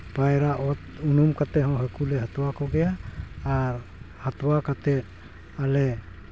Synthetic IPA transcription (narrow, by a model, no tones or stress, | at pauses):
pajɾaʔɔt̪unumkat̪ɛɦɔ̃ɦɛkulɛɦat̪ɔwakɔɡɛjaː | ɾ | hat̪ɔwakat̪ɛ | alɛ